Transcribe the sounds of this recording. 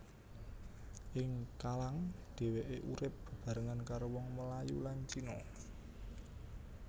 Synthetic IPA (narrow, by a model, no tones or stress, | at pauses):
ʔɪŋkalaŋd̪̥e̤weʔeʔuɾɪp̚b̥ə̤b̥a̤ɾəŋankaɾowɔŋməlajulaɲt͡ʃinɔ